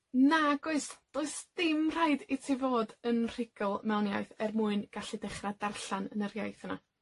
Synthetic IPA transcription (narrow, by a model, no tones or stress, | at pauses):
naɡʊɨsd̥oɨsd̥ɪmr̥ajdɪtʰivoːdənr̥ɪɡ̥əlˠmɛlˠnjajθɛrmuːɨnɡ̥aɬidɛχradarɬanənərjajθəna